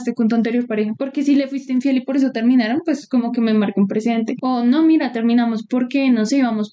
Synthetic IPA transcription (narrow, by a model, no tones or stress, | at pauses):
st̪ekunt̪oant̪̬e̞ɾjo̞ɾpaɾexapo̞ɾke̞sile̞fwist̪eiɱfje̞lipo̞ɾes̬o̞t̪e̞ɾmĩnaɾonpwe̞sko̞mo̞ke̞memaɾkoumpɾesiðe̞nt̪e̞ono̞miɾat̪e̞ɾmĩnamospo̞ɾke̞noseβamos